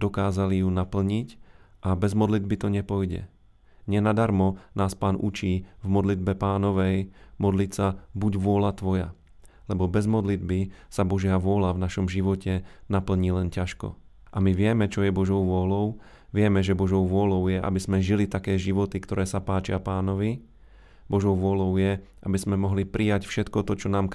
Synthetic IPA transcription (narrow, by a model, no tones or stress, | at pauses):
d̪ɔkaːzalijunapl̩ɲicʔabɛzmɔd̪lid̪bit̪ɔɲɛpɔjɟɛ̰ | ɲɛnad̪aɾmɔnaːspaːnʔut͡ʃiːvmɔd̪lid̪̚bɛpaːnɔʋɛjmɔd̪lit̪sabuɟʋʊɔlat̪ʋɔja̰ | lɛbɔbɛzmɔd̪lid̪̚bisabɔʒɪaʋʊɔlavnaʃɔmʒiʋɔcɛnapl̩ɲiːlɛncaʃkɔ̰ | ʔamiʋɪɛmɛt͡ʃɔjɛbɔʒɔʊʋʊɔlɔʊ | ʋɪɛmɛʒɛbɔʒɔʊʋʊɔlɔʊjɛʔa̰bizmɛʒilit̪akɛːʒiʋɔt̪ikt̪ɔɾɛːsapaːt͡ʃɪapaːnɔʋi | bɔʒɔʊʋʊɔlɔʊjɛʔabizmɛmɔɦlipɾʔijacfʃɛt̪kɔt̪ɔt͡ʃɔnaːmk